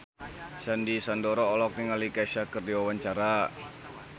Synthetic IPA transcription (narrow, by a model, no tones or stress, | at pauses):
sandisandɔɾɔːlɔk̚niŋalikaʃakərdiwawaɲt͡ʃaɾa